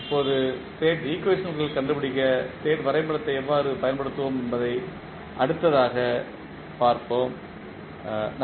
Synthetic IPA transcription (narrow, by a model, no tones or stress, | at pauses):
pːoːðɯseːʈɾiːkːʋesʈːɐnɣɐɭkɐɳɖɯpɪɽɪkːɐseːʈʋɐɾɐɪmbɐɽɐt̪ːɐɪɛʋːaːɾɯpɐjɐnpɐɽɯt̪ːɯʋomɛnbɐðɐɪ | ʔɐɽɯt̪ːɐðaːɣɐ | paːɾpoːm | n